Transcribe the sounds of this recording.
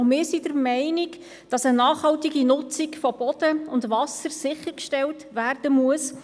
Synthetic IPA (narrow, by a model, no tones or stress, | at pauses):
mɪːsidəɾmɛɪnɪk | d̥ɑsənɑːχhɑltiɡinʊt͡sikfɔb̥ɔd̥əʊndʋɑsəɾsɪχəɾkʃtɛltʋærd̥əmuəs